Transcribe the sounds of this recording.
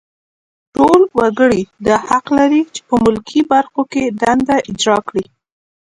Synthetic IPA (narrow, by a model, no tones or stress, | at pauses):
ʈolwaɡəɽid̪ɑhaqlaɾit͡ʃe̥pəmʊlkʰibaɾxokeɖ̪and̪aʔɪd͡ʒɾɑkɽi